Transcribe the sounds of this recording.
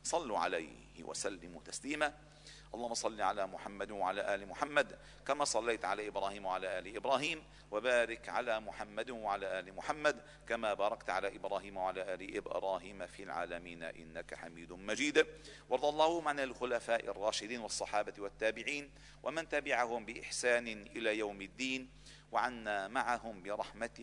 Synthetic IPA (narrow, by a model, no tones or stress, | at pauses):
sˤɑlːuʕa̰laj | hɪ̰wʔa̰salːɪmṵt̪asliːma | ʔɑlˤːɑːhʊmːɑsˤɑlːiʕalaːmʊħamːad̪waʕalaːʔaːlɪmʊħamːad̪ | kamaːsˤɑlːajt̪ʕalaːʔɪbɾɑːhiːmwaʕalaːʔaːlɪʔɪbɾˤɑːɦiːm | wabaːɾɪkʕa̰laːmʊħamːad̪waʕalaːʔaːlɪmʊħamːad̪ | kamaːbɑːɾˤɑkt̪ʕalaːʔɪbɾɑːhiːmwaʕalaːʔaːlɪʔɪ̰bɾˤɑːɦiːmafilʕa̰ːlamiːn̰ʔɪ̰nːakaħamiːd̪ʊmad͡ʒiːd̪wɑɾˤd̪ˤɑlˤːɑːhʊmʕanalxʊlafaːʔɪ̰rˤːɑːʃɪd̪iːnwɑsˤːɑħɑːbawat̪ːaːbɪʕiːn | wʔamant̪abɪʕahʊmbɪʔɪ̰ħsaːnɪʔɪlaːjawmɪd̪ːiːn | waʕanːaːmaʕaɦʊmbɪɾˤɑħmat̪